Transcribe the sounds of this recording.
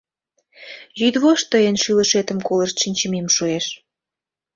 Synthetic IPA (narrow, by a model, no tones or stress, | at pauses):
jyd̪βoʃt̪əjənʃiləʃet̪əmkoləʃt̪ʃinʲt͡ɕə̆memʃueʃ